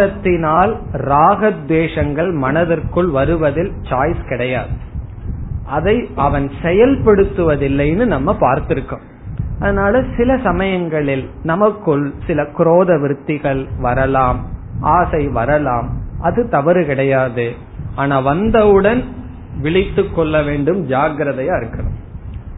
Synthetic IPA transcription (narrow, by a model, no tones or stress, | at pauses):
ɐt̪ːɪnaːlɾaːɣɐd̪ʋeːʂɐŋɡɐɭmɐnɐðɐrkɯɭʋɐɾɯʋɐðɪlt͡ʃaːjskɪɽɐjaːðɯ | ʔɐðɐɪʔɐʋɐnsɛjɐlpɐɽɯt̪ːɯʋɐðɪlːɐɪnɯnɐmːɐpaːɾt̪ɪɾɯkːɯm | ʔɐðɐnaːlɐsɪlɐsɐmɐjɐŋɡɐɭɪlnɐmɐkːɯɭsɪlɐkɪɾoːðɐʋɪɾɯt̪ːɪɣɐɭʋɐɾɐlaːmʔaːsɐɪʋɐɾɐlaːmʔɐðɯt̪ɐʋɐɾɯkɪɽɐjaːðɯ | ʔaːnaːʋɐnd̪ɐʋɯɽɐn | ʋɪɭɪt̪ːɯkːɔɭːɐʋeːɳɖɯmd͡ʒaːɡɾɐðɐjaːɪɾɯkːɐlɐ̰m